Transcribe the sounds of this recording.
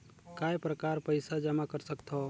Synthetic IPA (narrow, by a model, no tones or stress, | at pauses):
kaːjpɾəkaːɾpəɪsad͡ʒəmakəɾsəkt̪ʰɦo